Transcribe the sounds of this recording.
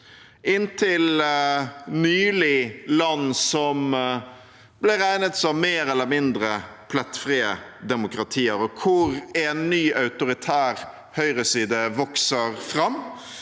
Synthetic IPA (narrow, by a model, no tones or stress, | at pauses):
ɪnt̪ʰɪl | nyːlɪlɑnːsɔm | b̥lɪɾæɪnət̪sɔʋmeːɾɛlːəɾmɪnd̪ɾəpʰlɛt̪fɾiːəd̪ɛmʊkɾɑt̪ʰiːəɾɔkʰʊɾɛnːyːʔɑʉt̪ʊɾɪt̪ʰæːɾ | hœʏɾəsiːd̪əʋɔksəɾfɾɑmː